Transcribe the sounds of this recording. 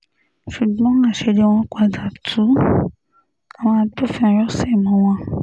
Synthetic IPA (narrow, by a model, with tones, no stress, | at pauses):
ʃu˨ɡ͡bɔ̃˨˦ã˦˨ʃe˧de˧˦w̃ɔ̃˧kʷa˨da˨tʰu˨˦ | a˨w̃ɔ̃˧a˧to˦˨fĩ˦ɔ̃˨ɾɔ˦sɛ˦˨mɔ̃˨˦w̃ɔ̃˧